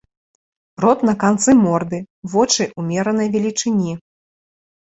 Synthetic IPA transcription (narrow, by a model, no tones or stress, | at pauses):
rɔt̪nɐkant̪sɨmɔrd̪ɨ | vɔt͡ʂɨʔumʲɛɾɐnɐjvʲɛlʲit͡ʂɨnʲi